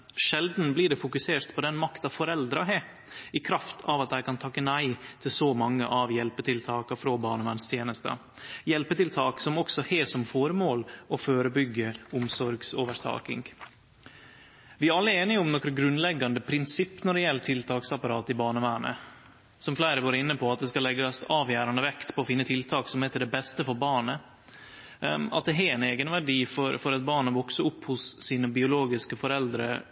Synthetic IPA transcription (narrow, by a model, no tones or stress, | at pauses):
ʂɛld̪n̩bliːɖɛfʊkʉseːɾt̪pʰɔd̪ɛnmɑkt̪ɑʋfɔɾɛld̪ɾɑɦɛ | ɪkʰɾɑft̪ʰɑʋɑt̪̚d̪æɪkɑnt̪ʰɑkːənæɪt̪ʰɪlsɔmɑŋːə̰ʔɑʋjɛlpət̪ʰɪlt̪ʰɑːkɑfɾoːbɑːɳəʋænst̪ʰjeːnəst̪ə̰ | jɛlpət̪ɪlt̪ʰɑːksɔmɔksɔheːsɔmfoːɾmoːlɔføːɾəbʏɡːəʊmsɔɾɡsoːʋəɾt̪ʰɑ̰ːkɪ̰ŋ | ʋɪæɾɑlːəɛɾeːnɪʊmnɔkɾəɡɾʉnːlɛɡːɑnd̪əpʰɾɪnsɪpːnɔɖɛjɛlːət̪ʰɪlt̪ʰɑːksɑpɑɾɑːt̪ɪbɑːɳəʋæːɳə̰ | sɔmflæɪɾəʋoːɾɪnːəpɔɑt̪̚d̪ɛskɑlɛɡɑsɑːʋjæːɾɑnd̪əʋɛkt̪pʰɔːfɪnːət̪ʰɪlt̪ʰɑːksɔmɛt̪ɪd̪ɛbɛst̪əfɔɾbɑːɳə | ɑ̰t̪̚d̪ɛɦɛɛneːɡənʋæɖiːfɔɾfɔɾɑt̪̚bɑːɳəʋɔksəʊpːhʊsːiːnəbɪʊloːɡɪskəfɔɾɛld̪ɾə̰